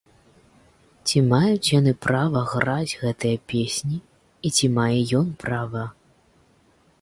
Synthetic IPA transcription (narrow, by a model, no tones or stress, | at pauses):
t͡sʲimajut͡sʲjanɨpɾavɐɣɾad͡zʲɣɛt̪ɨjɐpʲesʲnʲiː | t͡sʲimajɛjɔnpɾavɐ